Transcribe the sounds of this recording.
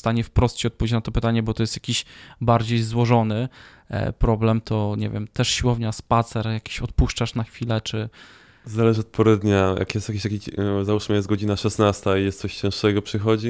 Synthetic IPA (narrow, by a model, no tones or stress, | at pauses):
st̪aɲɛfpɾɔst̪ɕiɔt̪pɔvʲet͡ɕnat̪ɔpɘt̪aɲɛbɔt̪ɔjɛst̪jakʲiɕbaɾd͡ʑejzwɔʐɔnɘ̰ | pɾɔblɛmt̪ʰɔɲɛ̰vʲjɛ̰mt̪ɛʂɕiwɔvɲaspat̪sɛɾjakʲi̥ɕɔt̪̚puʂt͡ʂaʂnaxfʲilɛt͡ʂɘ | zalɛʐɘɔt̪̚pʰɔɾɛd̪ɲajʔa̰kjɛst̪jakʲiɕt̪akʲizauʂməjɛt̪̚ɡɔd͡ʑinaʂɛsnast̪aijɛst̪sɔɕt͡ɕɛ̃ʂɛɡɔpʂɘxɔd͡ʑi